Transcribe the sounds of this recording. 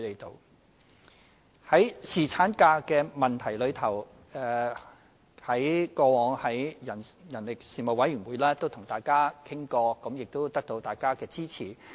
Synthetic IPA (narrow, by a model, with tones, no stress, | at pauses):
t̪e˨˩jt̪o˨˧w | hɐ˨˥jsiː˨˩t͡sʰaː˨˥nkaː˧kɛː˧mɐ˨nt̪ʰɐ˨˩jlɵ˨˧ɥt̪ʰɐ˨˩w | ɛː˨˧ | hɐ˨˥jkɔː˧wɔː˨˧ŋhɐ˨˥jjɐ˨˩njɐ˨˩nlɪ˨k̚siː˨mo˨wɐ˨˥jɥyː˨˩nwuː˨˧jlɛː˥t̪o˥wt̪ʰʊ˨˩ŋt̪aː˨jkaː˥kʰɪ˥ŋkɔː˧kɐ˨˥mjɪ˨k̚t̪o˥wt̪ɐ˥k̚t̪o˧wt̪aː˨˩jkaː˥kɛː˧t͡siː˥t͡sʰiː˨˩